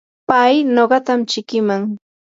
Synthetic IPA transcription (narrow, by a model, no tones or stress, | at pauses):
pajnoɢɑt̪amt͡ʃɪkɪmaŋ